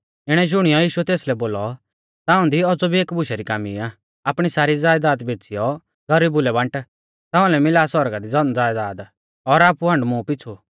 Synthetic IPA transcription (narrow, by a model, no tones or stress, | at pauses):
ɪɽ̃ɛd͡ʒʊɽ̃ijɔjiːʃuɛt̪eːslɛboːlɔ | t̪aːʊ̃nd̪iɔd͡zɔbʱieːkbʊʃɛɾikaːmḭaː | aːpɽ̃isaːɾid͡zaːjd̪aːd̪beːt͡sʰijɔ | ɡʱɐɾiːbʊlɛbɐ̃ɳʈ | t̪ãːʊ̃lɛmɪlaːsɔɾɡad̪id͡zɔnd͡zaːjd̪aːd̪ | ɔɾaːpuɦɐ̃ɳɖmũpɪt͡sʰu